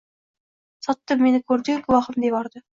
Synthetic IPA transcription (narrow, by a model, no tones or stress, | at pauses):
sɑt̪ːəme̞nɪkʲʰɵɾd̪ɪkʊlˠɑχəmd̪ebɑɾd̪ə